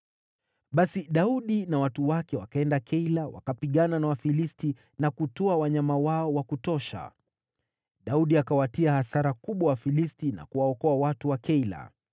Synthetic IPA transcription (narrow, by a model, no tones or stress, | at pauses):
ɓasiɗauɗinawatuwakɛwakaɛndakʰɛilawa̰kapiɠananawafilisti | nakutɔawaɲamawaɔwakutɔʃa̰ | ɗauɗiakawatiahasaɾakuɓwawafilistina̰kuwaɔkɔawatuwakɛila̰